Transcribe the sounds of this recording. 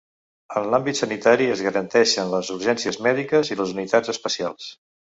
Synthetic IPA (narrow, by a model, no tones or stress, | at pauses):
ənlambit̪sənit̪aɾiəzɣəɾənt̪ɛʃənləzuɾʒɛnsiəzmɛðikəziləzunit̪ad͡zəspəsia̰lˠs